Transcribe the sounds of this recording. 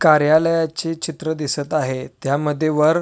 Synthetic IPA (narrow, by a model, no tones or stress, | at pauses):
kaɾjaləjat͡ɕit͡ɕit̪ɾəd̪isət̪aɦet̪jaməd̪ʱːjeʋəɾ